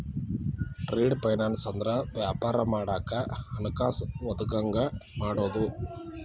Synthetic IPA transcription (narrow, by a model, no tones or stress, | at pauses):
ʈɾeːɖpɐjnaːnsɐnd̪ɾɐʋjaːpaːɾɐmaːɽaːkɐɐnukaːsʋɐd̪uɡɐŋɡɐmaːɽoːd̪u